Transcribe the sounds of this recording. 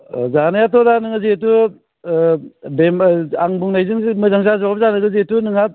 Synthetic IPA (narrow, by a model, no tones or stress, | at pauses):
zanajatɔdanɯŋɯzetu | bemaŋbuŋnajzɯŋmɯzaŋs̬azawabzanɯɡɯzetunɯŋa